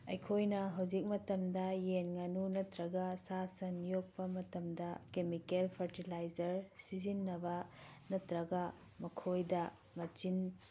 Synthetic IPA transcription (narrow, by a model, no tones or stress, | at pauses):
ɐjkʰojnɐɦɐwd͡ʒik̚mɐtɐmdɐjenŋanunɐtɾɐɡɐsasɐnjok̚pɐmɐtɐmdɐkemikelpʰɐɾtilajzɐɾsizinːɐbɐnɐtɾɐɡɐ | mɐkʰojdɐ | mɐt͡ʃin